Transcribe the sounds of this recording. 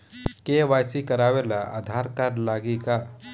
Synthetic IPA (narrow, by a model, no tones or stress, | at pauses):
keʋajsikəɾawelaʔa̰d̪ʱaɾkaɾlaɡika